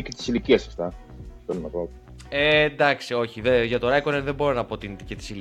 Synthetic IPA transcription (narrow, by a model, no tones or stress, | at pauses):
icet̪i̥siliciɐsɐft̪ɐ | t̪oɾonɐpo | end̪ɐksio̞çiðeʝɐt̪o̞ɾɐjkonenðe̞bo̞ɾonɐpo̞t̪int̪cet̪i̥sil